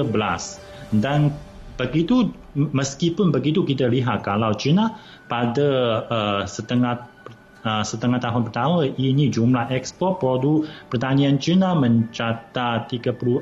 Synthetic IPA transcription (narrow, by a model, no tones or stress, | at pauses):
əbəlas | dan | bəɡit̪u | məskipʊnbəɡit̪ukit̪aliɦat̪̚kalawt͡ʃina | padaəsət̪əŋapə | əsət̪əŋaht̪aɦʊnpərt̪amaʔinid͡ʒumlahɛkspɔrt̪̚pɾodupərt̪aniant͡ʃinaməɲt͡ʃat̪at̪iɡapulu